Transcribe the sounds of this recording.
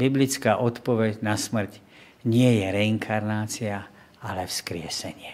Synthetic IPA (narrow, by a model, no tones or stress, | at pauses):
biblit͡skaːʔɔt̪pɔʋɛɟnasmr̩c | ɲɪɛjɛɾɛiŋkʰaɾnaːt͡sia | alɛfskɾɪɛsɛɲɪɛ